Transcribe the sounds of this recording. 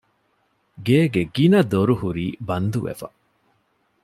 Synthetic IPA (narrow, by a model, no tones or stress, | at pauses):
ɡeːɡeɡinɐd̪oɾuhuɾiːbɐnd̪uʋḛfɐ̰